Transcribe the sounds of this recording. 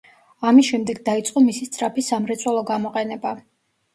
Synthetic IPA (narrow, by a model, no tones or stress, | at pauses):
amisʃɛmd̪ɛɡd̪ait̪sʼqʼɔmisist̪sʼɾapʰisamɾɛt̪sʼwɛlˠɔɡamɔqʼɛnɛba